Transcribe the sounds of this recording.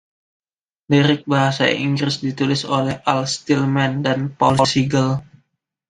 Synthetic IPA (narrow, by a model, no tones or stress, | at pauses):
liɾɪk̚baɦasa̰ḭŋɡɾɪsdit̪ulɪsolɛhʔalst̪ilmandanpɔlsiɡəl